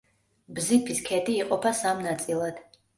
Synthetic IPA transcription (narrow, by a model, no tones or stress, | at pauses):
bzipʰiskʰɛd̪iːqʼɔpʰasamnat̪sʼilˠad̪̥